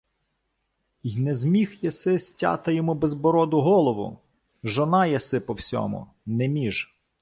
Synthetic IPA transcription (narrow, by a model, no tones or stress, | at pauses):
jnɛzmʲixjɐsɪsʲtʲa̰t̪ɐjɔmubɛzbɔɾɔd̪ʊɦɔlˠɔʋʊ̰ | ʒɔnɑjɐsɪpɔwsʲɔ̰mʊ̰ | nɛmʲiʒ